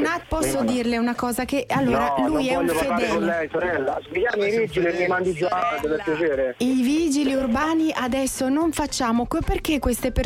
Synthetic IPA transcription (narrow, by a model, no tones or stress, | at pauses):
nat̪̚pɔsːod̪iːrleunakɔːzakeʔalːoːɾalujɛʎːoped̪ɛkolːɛsoɾɛlːamikjaːmevid͡ʒilimimand̪id̪zad̪eveɾpjat͡ʃeːɾeivid͡ʒiliurbaːniʔad̪ɛsːonoɱfat͡ʃːaːmokperk̟ekːwest̪epe